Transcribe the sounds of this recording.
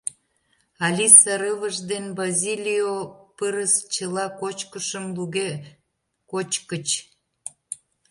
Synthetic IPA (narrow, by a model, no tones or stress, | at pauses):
ɑlʲisɑɾəβəʒd̪enbazʲilʲijopəɾəst͡ɕəlɑkot͡ɕkəʃəmluɣe | kot͡ɕkət͡ɕ